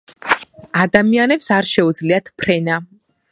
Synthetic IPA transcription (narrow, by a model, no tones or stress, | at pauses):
ad̪amianɛpsaɾʃɛud̪zliat̪ʰpʰɾɛna